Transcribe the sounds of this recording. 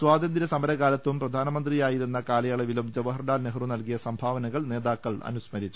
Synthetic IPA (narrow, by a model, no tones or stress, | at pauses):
swaːd̪ʱɐnd̪iɾɐsɐmɐɾɐɣaːlɐt̪ːumprɐd̪ʱaːnɐmɐnd̪rijaːjiɾunːɐkaːlɐjaːɭɐʋilumd͡ʑɐʋɐɦɐrɖaːlneɦrunɐlkijɐsɐmbʱaːʋɐnɐɣɐɭne̞ːðaːkːɐɭɐ̰nusmɐɾit͡ɕːu̥